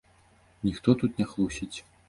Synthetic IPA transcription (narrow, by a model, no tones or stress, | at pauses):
nʲixt̪ɔt̪ut̪nʲɛxlˠusʲit͡sʲ